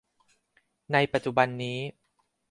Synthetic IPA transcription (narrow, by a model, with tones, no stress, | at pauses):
na˧jpa˨˩t̪̚t͡ɕu˨˩ba˧nːiː˦˥